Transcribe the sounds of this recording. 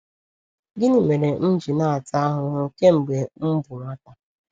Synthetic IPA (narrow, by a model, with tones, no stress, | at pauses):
ɡɪ˦ni˨me˨ɾe˨n̩˦d͡ʒi˨na˦˨a˨ta˦ɦʊ˨ɾʊ˨ke˦m̩˨ɡ͡be˨m̩˦bʊ˨mʷa˦ta˨